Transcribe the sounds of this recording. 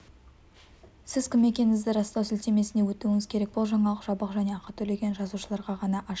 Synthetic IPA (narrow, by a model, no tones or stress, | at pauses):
sɪz̥kʲɪmːe̞kʲe̞nɪŋɪzd̪ɪɾɑst̪ɑwsɪlt̪e̞me̞sɪne̞wɵt̪uɪŋɪz̥kʲʰe̞ɾe̞k̚bo̞lˠʒɑɴɑlˠəqʒɑbəqʒæne̞ɑqɑt̪ʰɵle̞ɡʲe̞nʒɑzuʃəlˠɑɾʁɑʁɑnɑʔɑ